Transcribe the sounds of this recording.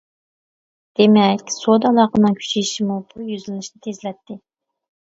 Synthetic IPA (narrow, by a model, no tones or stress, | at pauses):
d̪̥emɛkʲsod̪ɑlˠɑqənɨŋkʲʰy̥t͡ʃʰijʃimubujyzylɪnɪʃnɪt̪ʰezlɛt̪ʰːɪ